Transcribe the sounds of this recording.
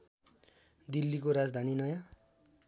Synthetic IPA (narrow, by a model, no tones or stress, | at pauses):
d̪ilːikoɾad͡zd̪ʱaninʌja